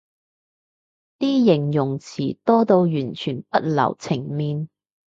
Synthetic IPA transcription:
t̪iː˥jɪ˨˩ŋjʊ˨˩ŋt͡sʰiː˨˩t̪ɔː˥t̪o˧wjyː˨˩nt͡ʃʰyː˨˩npɐ˥t̚lɐ̰˨˩wt͡sʰɪ˨˩ŋmiː˧n

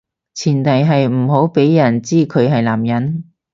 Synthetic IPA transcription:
t͡sʰiː˨˩nt̪ɐ˨jɦɐ˨jm̩˨˩ɦo˨˥wpe˨˥jjɐ˨˩nt͡siː˥kʰɵ˨˧ɥɦɐ˨jlaː˨˩mjɐ˨˥n

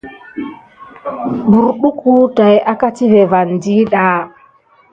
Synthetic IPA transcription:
bu˨ɾɓu˦ku˦ta˨ja˦ka˦ti˦ve˨va˨ndi˦ɗaː˨˦

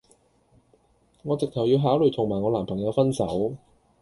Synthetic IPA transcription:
ŋɔː˨˧t͡sɪ˨k̚t̪ʰɐ˨˩wjiː˧wɦaː˨˥wlɵ˨˩t̪ʰʊ˨˩ŋmaː˨˩ŋɔː˨˧laː˨˩mpʰɐ˨˩ŋjɐ˨˧wfɐ˥nsɐ˨˥w

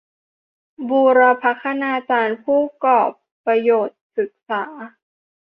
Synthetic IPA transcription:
buː˧ɾa˧pʰa˦˥kʰːa˧naː˧t͡ɕaː˧npʰuː˥˩kɔː˨˩pːɾa˧joː˨˩t̪̚sɯ˨˩k̚saː˩˦

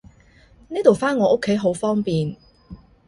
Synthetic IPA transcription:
niː˥t̪o˨wfaː˥nŋɔː˨˧˥ʔo˥kʰːe˨˥jɦo˨˥wfɔː˥ŋpiː˨n

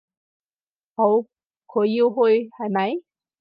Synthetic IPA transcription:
ho˨˥w | kʰoː˨˧jji˧wɦo˧jha˨˩mɐ˨˦j

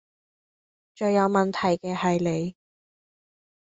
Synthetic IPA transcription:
t͡ʃɵ˨˧ɥjɐ˨˧wmɐ˨nt̪ʰɐ˨˩jkɛː˧hɐ˨jle˨˧j

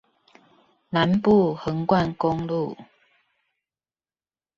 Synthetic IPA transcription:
na˨˦npu˥˨hə˨˦ŋkwa˥˨nko˦ŋlu˥˨

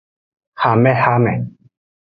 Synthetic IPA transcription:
ha˨mɛ̃˦˧ha˦mɛ˨

